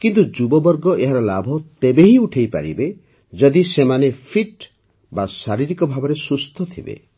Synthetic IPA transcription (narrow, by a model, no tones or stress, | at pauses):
kint̪̬ud͡ʒubɔbɔɾɡɔeɦaɾɔlabʱɔt̪ebeɦiuʈʰejpa̰ɾḭbe | d͡ʒɔd̪isemanepʰiʈ | basaɾiɾikɔbʱabɔɾesust̪ʰɔt̪ʰibḛ